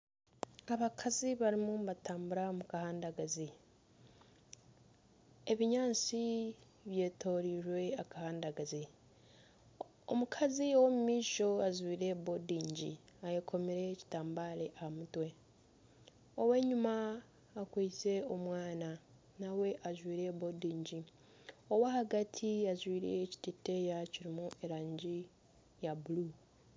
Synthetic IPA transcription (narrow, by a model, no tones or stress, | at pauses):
aβakʰaziβaɾimumβataːmbuɾamukahaːndaɡazi | eβiɲaːnt͡si | βje̞ːto̞ːɾiɾwe̞akahaːndaɡazi | omukʰaziwomumiːʃo̞azwiːɾe̞bo̞diːɲɟḭajekʰo̞miɾe̞ci̥taːmbaɾeʔahamutwe̞ | o̞we̞ɲumaː | kwiːt͡se̞omwaːna | nawe̞ʔaʒwiːɾe̞bodiːɲɟi | o̞wahaɡatʰiaʒwiːɾe̞̰ːci̥tite̞jaciɾimuʔe̞ɾaːɲɟi | jabulu